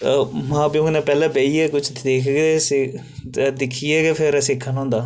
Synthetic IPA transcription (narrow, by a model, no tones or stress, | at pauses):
mãːpiʊ̃nɛ̃ːpɛːlɛ̃ːbeːiːɛːkʊt͡ʃʰd̪eːkʰɡes | d̪ɪkʰiɛːɡɛːpʰɪɾsɪkʰːənɦõːnd̪aː